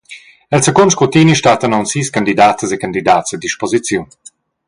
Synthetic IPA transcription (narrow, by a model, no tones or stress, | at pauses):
ɛlsəkɔnʃkot̪iniʃtat̪ənɔwnsiːskand̪id̪aːt̪əzekand̪id̪aːt̪sad̪iʃpozit͡sjun